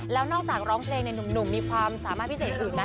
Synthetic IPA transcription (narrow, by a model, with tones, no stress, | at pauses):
lɛː˦˥wnɔː˥˩k̚t͡ɕaː˨˩k̚ɾɔː˦˥ŋpʰleː˧ŋna˧jnu˨˩mnu˨˩mmiː˧kʰwaː˧msaː˨˩˦maː˥˩pʰi˥seː˨˩t̪̚ʔɯː˨˩nːa˦